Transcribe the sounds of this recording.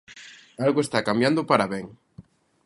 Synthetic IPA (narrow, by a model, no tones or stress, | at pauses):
alɣoest̪akambjand̪opaɾaβeŋ